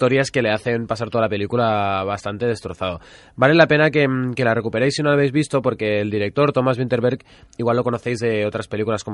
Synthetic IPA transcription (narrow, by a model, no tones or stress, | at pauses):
t̪oɾjaske̞le̞aθe̞npas̬aɾt̪oalape̞likulaβast̪ant̪e̞ð̞e̞st̪ɾo̞θaðo | bale̞lape̞nakeke̞lare̞kupe̞ɾejsːinolaβ̞ejzβist̪o̞po̞ɾke̞ːld̪iɾe̞k̚t̪o̞ɾt̪o̞mazβint̪e̞ɾβeɾk | iɣwalːo̞ko̞no̞θe̞jzðe̞o̞t̪ɾaspe̞likulasko